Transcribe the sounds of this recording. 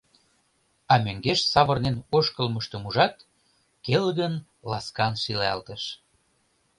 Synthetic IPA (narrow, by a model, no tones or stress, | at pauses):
ɑmøŋɡeʃsɑβərnenoʃkəlməʃt̪ə̆muʒɑt̪ | kelɣən | lɑskɑnʃileɑ̰lt̪əʃ